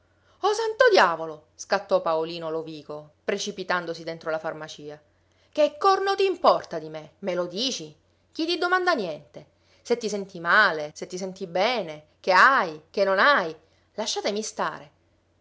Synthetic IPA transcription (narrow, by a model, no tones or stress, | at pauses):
ɔsant̪od̪jaːvolo | skat̪ːɔpaoliːnoloviːkopɾet͡ʃipit̪and̪osid̪ent̪ɾolafarmat͡ʃiːa | kekːɔrnot̪iːmpɔrt̪ad̪imemelod̪iːt͡ʃi | k̟it̪id̪omand̪anjɛnt̪e | set̪ːisɛnt̪imaːleset̪ːis̬ɛnt̪ibɛːne | keajkenːonaj | laʃːaːt̪emist̪a̰ːɾe